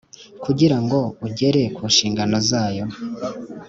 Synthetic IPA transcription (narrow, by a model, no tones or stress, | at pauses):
kuɟiɾaŋɡo̞uɟe̞ɾe̞kuːnʃiːŋɡano̞zaːjo̞